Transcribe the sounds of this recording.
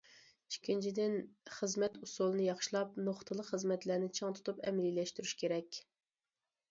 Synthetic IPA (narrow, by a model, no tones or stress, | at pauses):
i̥ʃkʲʰːint͡ʃʰid̪ɪnχəzmɛt̪usulˠɨnɨjɑχʃlˠɑp̚noχt̪ʰɨlˠəqχəzmɛt̪læɾnɪt͡ʃʰɑŋt̪ʰu̥t̪upɛ̰mlilɛʃt̪yɾyʃkʲʰeɾɛkʲ